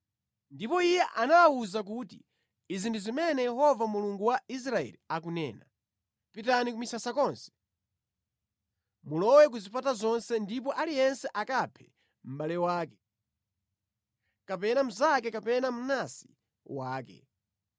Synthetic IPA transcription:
ndipɔijɛʔanawuzak̬uti | izinduzimɛnɛjɛhɔvamuluŋɡuwais̬ɾaɛ̰liakunɛ̰ːna | pitanikumisasakɔnsɛ̥ | mulɔwɛk̬uzipʰatazɔnsɛndip̬ɔʔalijɛnsɛʔakapʰɛ | m̩balɛwaːkɛ̥ | kapɛnam̩zakɛkapɛnam̩nasi̥ | waːkɛ̰

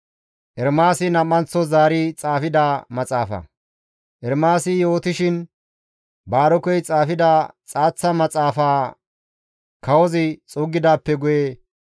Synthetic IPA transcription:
ʔɛɾmaːsɪnɐmːɐnt͡sːɔzaːɾɪt͡sʼaːfɪd̪amɐt͡sʼaːfɐ̰ | ʔɛɾmaːsɪjo̞ːt̪ɪʃɪn | baːɾɔkɔjt͡sʼaːfɪd̪aːt͡sʼaːt͡sːɐmɐt͡sʼaːfaː | kɐwɔzɪt͡sʼʊɡːɪd̪aːpːɛɡʊje

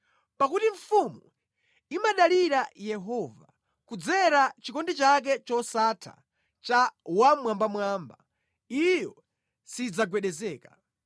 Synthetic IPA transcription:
pakutiɱfumu | imaɗaliɾajɛɦɔva̰ | kud͡zɛɾat͡ʃikɔndit͡ʃak̬ɛt͡ʃɔsatʰa̰ | t͡ʃawamwambamwaːmba | ijɔ | sid͡zaɡwɛɗɛzɛːka

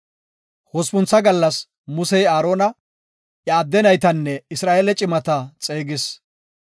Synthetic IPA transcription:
hɔspʊnt͡sːɐɡɐlːɐs | mʊsɛjaːɾo̞ːnɐ | ʔjɐːd̪ːɛnɐjt̪ɐnːɛɪsɾaːʔeːlɛt͡ʃʼɪmɐt̪ɐt͡sʼeːɡɪs

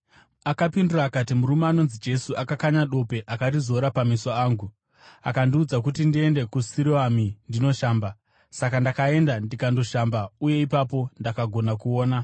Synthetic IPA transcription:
akapinduraːkatimuɾumeano̞nzid͡ʒe̞suakakaɲaɗo̞pe̞ʔakatizo̞ɾapamisaaːŋɡu | akandiud͡zak̬utindie̞nde̞kusiɾiwamindino̞ʃaːmba | sakandakae̞ndandikando̞ʃambauje̞ipapo̞ndakaɡʱo̞nakuoːna

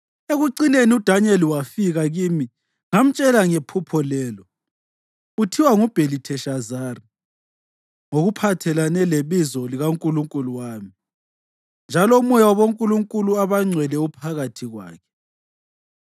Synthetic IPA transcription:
eɣuǀineniud̥ʱanɛliwafiɣaɣimi | ŋam̩t͡ʃʼɛlaŋepʰupʰɔlɛːlɔ | utʰiwaŋub̥ʱelitʰɛʃazaːri | ŋoɣupʰatʰɛlanɛleβizɔliɣaŋkʼuluŋkʼuluwaːmi | nd͡ʒʱalɔumujawaβoŋkʼuluŋkʼuluaβaŋ͡ǀʱwɛlɛupʰaɣatʰiɣwa̰ːkʰɛ̥

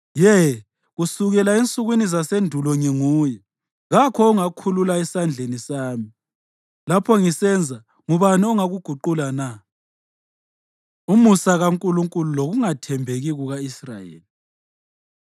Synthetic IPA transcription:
jɛ | ɣusuɣɛlaint͡sʼuɣwinizasendʱulɔŋiŋuːjɛ | ɣakʰɔuŋakʰululaɛsand͡ɮʱenisaːmi | lapʰɔŋisɛnd͡zʱa | ŋuβaniɔŋaɣuɡ̥ʱuǃulana | umusaɣaŋkʼuluŋkʼululoɣuŋatʰɛmbʱeɣiɣuɣaisra̰jḛːli

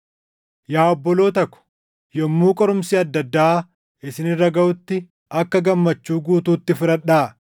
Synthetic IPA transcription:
jaːɔbːɔlo̞ːt̪ɐkːʊ̥ | jɔmːuːkʼɔɾʊmsiːɐd̪ːɐd̪ːaː | ɪsɪnɪrːɐɡɐʔʊt̪ːɪ | ɐkːɐɡɐmːɐt͡ʃːuːɡuːt̪uːt̪ːɪfɪɾɐᶑaː

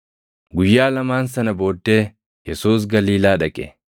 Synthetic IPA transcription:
ɡʊjːaːlɐmaːnsɐnɐbo̞ːd̪ːe̞ː | jɛsuːs̬ɡɐliːlaːᶑɐkʼɛ̰

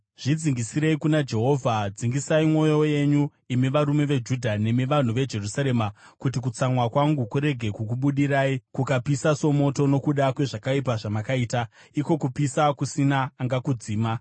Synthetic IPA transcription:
ʐ̥id͡ziŋɡisiɾe̞ikunad͡ʒe̞ɦo̞ːvʱad͡ziŋɡisaimo̞jo̞je̞ɲu | imiʋaɾume̞ʋe̞d͡ʒudʱane̞miʋan̤uʋe̞d͡ʒe̞rusaɾe̞makutik̬ut͡samwakwaŋɡukuɾe̞ɡʱe̞kukuɓuɗiɾaːikukapisaso̞mo̞to̞no̞kuɗakwe̞ʐakaip̬aʐamakaiːtaiko̞kupisakusinaːŋɡakud͡ziːma

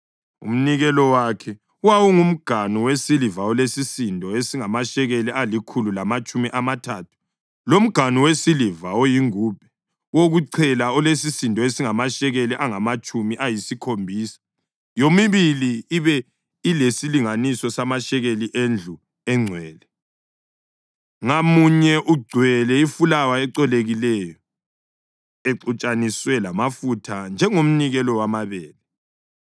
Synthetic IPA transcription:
ṵm̩niɣɛlɔwakʰɛ | uwawuŋum̩ɡ̥ʱaniwesilivaɔlesisintʼɔesiŋamaʃɛɣɛlɛʔalikʰululamat͡ʃʼumiʔamatʰaːtʰu̥ | lom̩ɡ̥ʱaniwesilivawojiŋuːp̚ʰɛ̥ | woɣuǀʰɛlaɔlesisintʼɔesiŋamaʃɛɣɛlɛʔaŋamat͡ʃʼumiʔajisikʰombʱiːsḁ | jomiβiliːβɛ | ilesiliŋanisɔsamaʃɛɣeliʔend͡ɮʱu | ɛŋ͡ǀʱwɛːlɛ | ŋamuɲɛʔuɡ͡ǀʱwɛlɛifulawaɛǀɛleɣilɛjɔ | eǀut͡ʃʼaniswɛlamafutʰand͡ʒʱɛŋom̩niɣɛlɔwamaβɛːlɛ

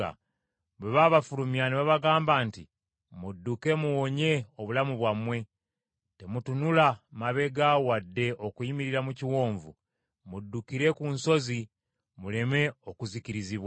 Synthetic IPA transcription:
a̰ | βeβaβafulumjaniβaβaɡaːmbaːnti | mudːuke̞muwoɲe̞oβulamuβwamwe̞ | te̞mutunulamaβe̞ɡawadːe̞ʔokuimiɾiɾamuciwo̞ːɱvṵ | mudːukiɾe̞kunso̞zi | mule̞me̞okuziciɾiziβwa

